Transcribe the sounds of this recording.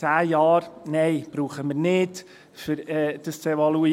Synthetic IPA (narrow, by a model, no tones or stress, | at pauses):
æːjɑːɾnɛɪb̥ɾuːχəməɾnɪd | fʏɾɛːd̥əst͡sɛvɑlui